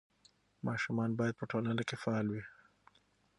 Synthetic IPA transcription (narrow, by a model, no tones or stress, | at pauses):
mɑʃumɑnbɑjad̪̚pəʈolənokefaɑlwi